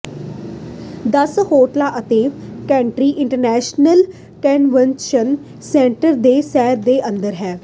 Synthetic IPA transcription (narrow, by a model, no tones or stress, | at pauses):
d̪əshoːʈlaːʔət̪eːkɛ̃ːɳʈɾiːʔɪ̃ɳʈəɾnɛːʃnəl | kənʋənʃən | sɛ̃ːɳʈəɾd̪eːsɛːɾd̪eːʔənd̪əɾɦɛː